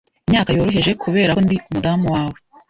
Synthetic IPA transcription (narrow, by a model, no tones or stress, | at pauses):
imɲaːkajo̞ːɾo̞ɦe̞ʒe̞kʰuβe̞ːɾandiumudamuwaːwe